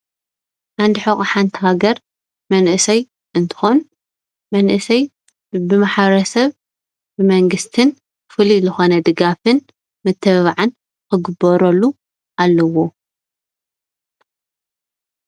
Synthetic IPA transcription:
ʔand̪iħokʼħant̪ʰihaɡɐɾ | mɐnʔɨsɐj | ʔɨnt̪ʰɨ̥xon | mɐnʔɨsɐj | bɨmaħbɐɾɐsɐβ | bɨmɐŋɡɨst̪ʰɨn | fɨlizɨxo̞nɐd̪ɨɡafɨn | mɨt̪ʰːɐββaʕan | kɨɡɨbɐɾɐlːu | ʔalːɐwo̞

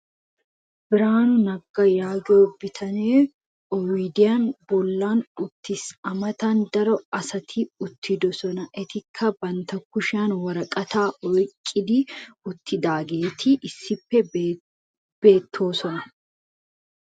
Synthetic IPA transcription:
bɪɾaːnʊnɐɡːɐjaːɡo̞ːbɪt̪ʰɐneː | ɔwid̪ɪjaːnbɔlːaːnʊt̪ːɪsɐmɐt̪ɐnd̪ɐɾɔɐsɐt̪ʰiʊt̪ʰːɪd̪ɔsɔnɐʔɛt̪ɪkʰːɐbɐnt̪ɐkːʊʃaːnwɐɾɐkʼɐt̪aːʔɔjkʼːɪd̪iːʊt̪ʰːɪd̪aːɡe̞ːt̪ʰiʔɪsːɪpːɛ | b̥e̞ːt̪ʰːo̞ːsɔnɐ

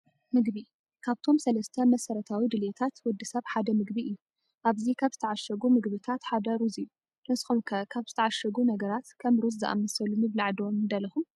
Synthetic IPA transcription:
mɨɡbi | kʰaβt̪ʰo̞msɐlɐst̪ʰɐmɐsɐɾɐt̪ʰawid̪ɨlet̪ʰat̪wɔd̪ːɨsɐβħad̪ɐmɨɡbiʔɨjːu | ʔaβzikʰaβz̥ɨt̪ʰɐʕaʃɐɡumɨɡbɨt̪ʰat̪ħad̪ɐɾuzɨjːu | nɨsxumkʰɐkʰaβzɨt̪ʰɐʕaʃɐɡunɐɡɐɾat̪kʰɐmɾuzzɨ̰ʔa̰mɐsɐlumɨβlaʕd̪iomɨnd̪ɐlːɐxum

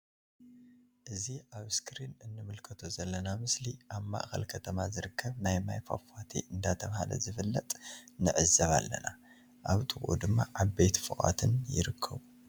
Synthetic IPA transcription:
ʔɨziʔaβskʰɾinɨnːɨmɨlkʰɐt̪ʰozɐlːɐnamɨsliʔaβma̰ʔxɐ̰lkʰɐt̪ʰɐmazɨɾɨkʰːɐβnajmajfa̰fat̪ʰiʔɨnd̪at̪ʰɐβhalɐ̰zɨfɨlːɐt̪ʼnɨʕɨzɐβa̰lːɐ̰na̰ | ʔaβt̪ʼɨxʼʔṵd̪ɨmːaʔaβbet̪fɨʔʼa̰t̪ʰɨnjɪ̰ɾɨkʰːɐβu

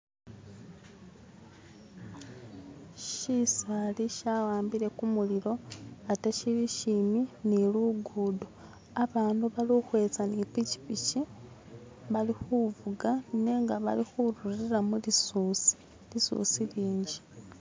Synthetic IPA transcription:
ʃisaliʃawaːmbiɾe̞kumuliɾo̞ateʃiliʃiminiluɡuːdu | aβaːnduβaloxwe̞ːt͡sanipici̥pici | βalixuvuɡaneːŋɡaβa̰lixuɾuɾiɾamulisuːsi̥ | lisṵːsiliːɲɟi̥

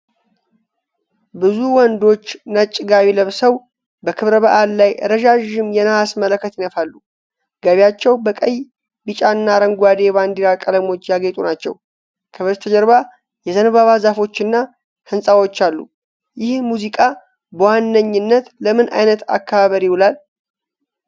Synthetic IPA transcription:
bɨzuwɔnd̪o̞t͡ʃːnət͡ʃʼːɪɡaβiləβsəw | bəkʰɨβɾəβəʔallajɾəʒaʒɨmjɛnəhasmələkːət̪jɪnəfalːu | ɡ̥əβjat͡ʃːɛwbəkʼəj | bɨt͡ʃʼanːaɾəŋɡʷad̪e̞βand̪iɾakʼələmo̞t͡ʃːjaɡet̪ʼunat͡ʃːɛ̰w | kʰɨβɨɾt̪ʰəd͡ʒəɾβa | jɛzənβaβazafo̞t͡ʃːɨnːa | hɨnsʼawo̞t͡ʃːalːṵ | jɪhmuzikʼa | bəwanːəɲːɪnːət̪ləmɨnʔa̰jnət̪a̰kːəβaβəɾiwʊlal

